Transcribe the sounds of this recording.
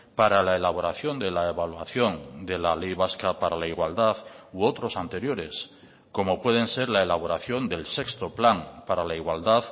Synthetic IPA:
paɾalaelaβ̞o̞ɾaθjo̞nd̪e̞laeβalwaθjo̞nd̪e̞lale̞jβ̞askapaɾalaiɣwald̪aðuot̪ɾo̞sant̪e̞ɾjo̞ɾe̞s | ko̞mo̞pwe̞ðe̞nse̞ɾlae̞laβ̞o̞ɾaθjo̞nd̪e̞lse̞kst̪o̞plaŋpaɾalaiɣwald̪að

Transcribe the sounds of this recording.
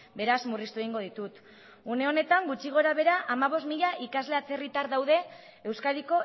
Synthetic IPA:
be̞ɾazmurist̪ueiŋɡo̞ðit̪ut̪ | une̞o̞ne̞t̪aŋɡut͡ʃiɣ̞o̞ɾaβe̞ɾaʔamaβo̞smiʎaʔikazle̞at͡se̞rit̪aɾðawð̞e̞ː | wskaðiko̞

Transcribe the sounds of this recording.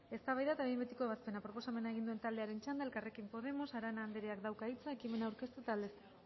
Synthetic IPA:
e̞st̪aβajðat̪aβmbet̪iko̞e̞β̞aspe̞napɾo̞po̞same̞naeɣind̪ue̞nt̪ald̪e̞aɾe̞nt͡ʃand̪aelkare̞kimpo̞ð̞e̞mo̞saɾanaːnd̪eɾeakd̪awkait͡sae̞kime̞naːwɾke̞st̪uet̪ald̪e̞st̪e

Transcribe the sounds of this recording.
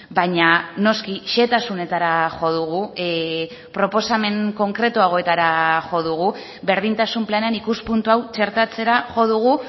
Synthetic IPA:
baɲano̞skiʃe̞t̪asune̞t̪aɾaʝo̞ð̞uɣu | pɾo̞po̞same̞ŋko̞ŋkɾe̞t̪uaɣoe̞t̪aɾaʝo̞ð̞uɣ̞u | be̞ɾð̞int̪asumplane̞anikuspunt̪uawt͡ʃe̞ɾt̪at͡se̞ɾaʝo̞ð̞uɣ̞u

